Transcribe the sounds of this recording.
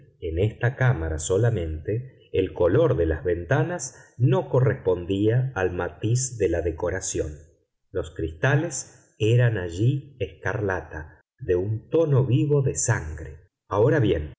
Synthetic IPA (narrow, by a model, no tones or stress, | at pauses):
enest̪akamaɾaso̞lamẽ̞nt̪eː | lko̞lo̞ɾðelazβe̞nt̪anasno̞ko̞respo̞nd̪iaːlmat̪izðelaðeko̞ɾasjo̞̰n | lo̞skɾist̪ale̞s | eɾanaʒieskaɾlat̪a | ðe̞unt̪o̞no̞βiβo̞ðe̞saŋɡɾe | ao̞ɾaβje̞n